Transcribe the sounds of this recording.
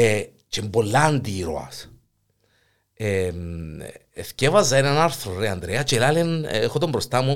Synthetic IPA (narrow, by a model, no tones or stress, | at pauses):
e | t͡ʃembo̞lːaːnd̪iɾoɐ̰s | em | efcevɐzːɐenanaɾθɾoɾeand̪ɾeɐt͡ʃelalenexot̪ombɾost̪amu